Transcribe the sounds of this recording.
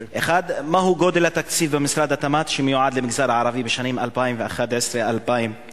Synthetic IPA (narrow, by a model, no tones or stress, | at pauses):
ʔexaːd̪mahuɡod̪elhat̪ːakt͡siːlbemɪsɾˤaːd̪at̪amat̪ʃemjuʕad̪lemɪɡzaːɾʕaɾˤɑvibeʃaniːmʔalpajimveʔaxad̪ʕesɾealpajim